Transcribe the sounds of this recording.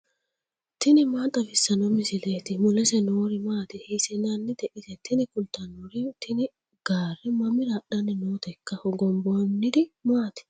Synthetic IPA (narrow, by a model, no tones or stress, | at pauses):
t̪ɪnɪmaːt̪ʼɐfɪsːɐnɔmɪsɪleːt̪ɪmʊlɛsɛnoːɾɪmaːt̪ɪhisɪnɐnːɪd̪ɛʔɪsɛt̪ɪnɪkʊlt̪ɐnoɾɪt̪ɪnɪ | ɡ̥aːrːɛmɐmɪɾaɗɐnɪnoːt̪ɛkːɐhɔɡɔmbɔnːɪd̪ɪmaːt̪ɪ̥